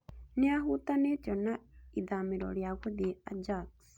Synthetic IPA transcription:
niaɦut̪anetɔnaiðamiɾo̰ɾjaɣud̪iad͡ʒaks

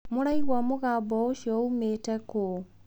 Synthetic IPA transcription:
muɾaiɣwamuɣaːbɔoʃoumeteko

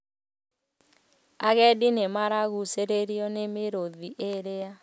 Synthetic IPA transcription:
aɣɛdinemaɾaɣuseɾeɾiɔnemeɾoðiʔeɾea

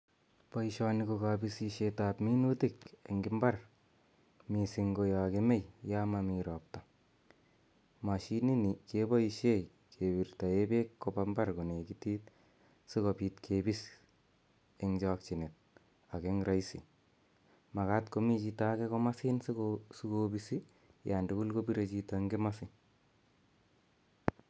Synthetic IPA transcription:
pɔiʃanikokabisiʃetapminutikḛŋɡimbar | misiŋɡojakemejjamamiɾɔp̚ta | maʃininikebaiʃej | kʰebiɾtaebekːobambarkonekitit | sikopitkʰebis | eŋd͡ʒɔk̚t͡ʃinet̚ | akeŋɾʔaisi | makatkomit͡ʃitakekomasinskosukobisi | jandukulkobiɾet͡ʃitaŋɡemasin

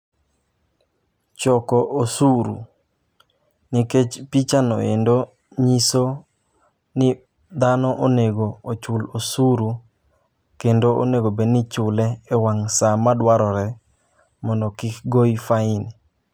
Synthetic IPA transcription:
t͡ʃɔkɔʔosuɾṵ | niket͡ʃpit͡ʃanɔ̰ḛndo | ɲiso | nɪ | d̪anɔʔoneɡoot͡ʃʊlosuɾu | kendoo̰neɡobenɪt͡ʃʊlɛːwaŋsamadwaɾɔɾɛ | mɔndɔkɪkɡoifaɪn

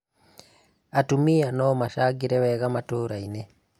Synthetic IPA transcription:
atumianɔmaʃaɡiɾɛwɛɣamatoɾaine

